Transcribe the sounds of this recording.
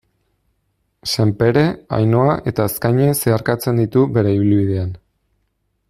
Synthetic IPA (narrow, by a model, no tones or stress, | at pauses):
se̞mpe̞ɾe̞a̰jno̞aʔe̞t̪aeskajɲe̞se̞aɾkat͡se̞nd̪it̪uβe̞ɾe̞iβilβiðe̞an